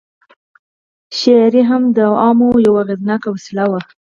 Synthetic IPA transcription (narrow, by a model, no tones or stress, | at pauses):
ʃaɾiɦamd̪əɑmojawaɣɪd̪nɑkawasɪlawa